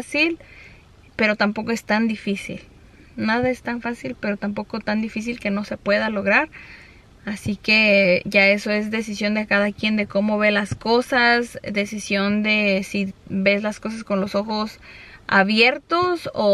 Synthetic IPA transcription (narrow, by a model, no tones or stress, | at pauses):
sil | pe̞ɾot̪ampo̞ko̞e̞st̪and̪ifisḭl | naðae̞st̪aɱfasilpe̞ɾo̞t̪ampo̞ko̞t̪and̪ifis̬ilke̞no̞se̞pwe̞ðalo̞ɣ̞ɾaɾ | asike̞ʝae̞so̞e̞zðe̞s̬isjo̞nd̪e̞kaðakje̞nd̪e̞ko̞mo̞βe̞lasko̞sasd̪e̞sisjo̞nd̪e̞siβe̞zlasko̞s̬asko̞nlo̞so̞xosa̰βje̞ɾt̪oso